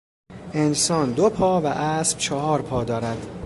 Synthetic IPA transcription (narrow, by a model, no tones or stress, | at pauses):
ʔe̞nsɒːnd̪opʰɒːvæʔæːsb̥t͡ʃʰɒɦɒːɾpʰɒːd̪ɒːɾæd̪̥